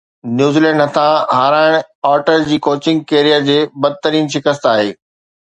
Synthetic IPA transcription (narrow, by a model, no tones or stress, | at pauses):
njuːzilɛ̃ːɳɖɦɐt̪ʰãɦaːɾaːɪɽ̃ɔːɾʈəɾd͡ʑiːkoːt͡ɕɪ̃ŋɡ̚keːɾijad͡ʑeːbɐd̪̚t̪əɾiːnʃɪkəst̪aːɦeː